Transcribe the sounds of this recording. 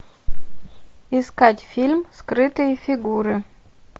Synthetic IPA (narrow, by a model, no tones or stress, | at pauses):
ɪskatʲfʲilʲmskɾɨt̪ɨjəfʲiɡuɾɨ